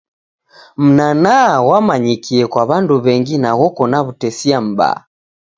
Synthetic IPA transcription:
m̩nanawamaɲikiɛkwaβanduβɛŋɡinaɣɔkɔnaβutɛsiam̩ba̰ː

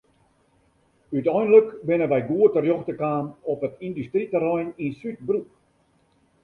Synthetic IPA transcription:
ytœjnləkbɪnəʋɛjɡuətərjɔxtəkaːmɔpətindystritəɾɔjninsyt̚bruk

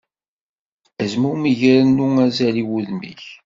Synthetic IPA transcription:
æzmumiʝɾənːuæzæliwuðmḭç

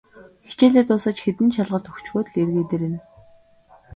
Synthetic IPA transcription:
xi̥t͡ɕeːɮʲeːt̪ʊːsə̆t͡ɕxet̪ɘ̆nt͡ɕʰaɮʁə̆rt̪ʰɵxt͡ɕxoːt̪̆ɮerɣeːt̪eːɾĕn

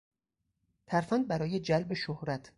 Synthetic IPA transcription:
t̪ʰæɾfænd̪̚bæɾɒːje̞d͡ʒælbe̞ʃohɾæt̪ʰ

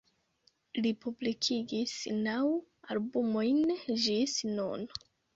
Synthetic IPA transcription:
lipublikʰiɡisnaw | albumo̞jnd͡ʒisno̰n

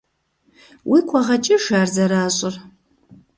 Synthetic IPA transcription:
wʔiːkʷʰɐʁɐt͡ʃʼɪʂaːrzɐɾaːɕʼɪr

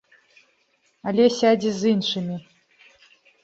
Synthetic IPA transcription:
alʲɛsʲad͡zʲizɨnʂɨmʲi

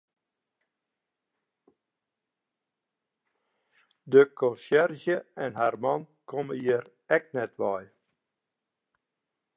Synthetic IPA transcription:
dəkʰɔnsɛrzjəɛnharmɑnkʰɔməjəɾ | ɛk̚nɛtʋɑj

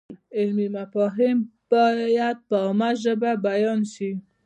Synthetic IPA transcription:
ɪlmimafɔɦɪmb̥ɔjad̪̚pəɔmaʒəbabajɔnʃi

